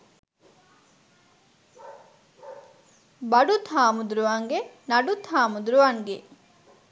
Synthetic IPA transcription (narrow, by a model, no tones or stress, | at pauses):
bɐɖut̪ʰaːmud̪uɾuʋaŋɡenɐɖut̪ʰaːmud̪uɾuʋaŋɡe